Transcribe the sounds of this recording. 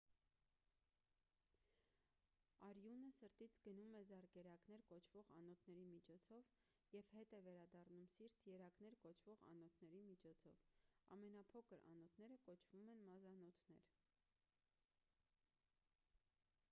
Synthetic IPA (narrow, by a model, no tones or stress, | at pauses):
ɑɾjunəsəɾt̪it͡sʰɡənumɛzɑɾkɛɾɑknɛɾkɔt͡ʃʰv̥ɔʁɑ̰nɔt̪ʰnɛɾimit͡ʃʰɔt͡sʰɔv | jɛvhɛt̪ɛvɛɾɑd̪ɑrnumsiɾt̪ʰjɛɾɑknɛɾkɔt͡ʃʰvɔʁɑ̰nɔt̪ʰnɛɾimit͡ʃʰɔt͡sʰɔvɑ̰mɛnɑpʰɔkʰəɾɑ̰nɔt̪ʰnɛɾəkɔt͡ʃʰv̥umɛnmɑzɑnɔt̪ʰnɛɾ